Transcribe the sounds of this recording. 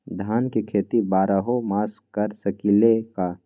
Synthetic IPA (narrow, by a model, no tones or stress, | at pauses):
d̪ʱaːnkekʰeːt̪ibaːɾəɦomaːskəɾsəkileka